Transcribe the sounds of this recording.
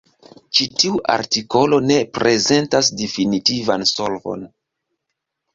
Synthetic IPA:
t͡ʃitiuʔa̰ɾtiko̞lo̞ne̞pɾʔe̞ze̞ntas̬definitivansolvo̞̰n

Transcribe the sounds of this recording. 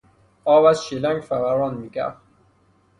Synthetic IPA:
ɒːvæzʃilæŋɡfæʁæɾɒːnmiːkæ̰ft̪

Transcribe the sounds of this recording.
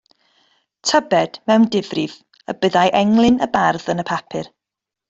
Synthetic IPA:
tʰəbɛd̥mɛwndɪvrɪv | ə̰bəðajʔɛŋlˠɪnəbarðənəpʰapʰɪr

